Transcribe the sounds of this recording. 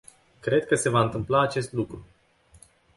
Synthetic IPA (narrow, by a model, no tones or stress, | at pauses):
kɾe̞d̪̚kəse̞vaɨnt̪ɨmplaːt͡ʃe̞st̪lukɾu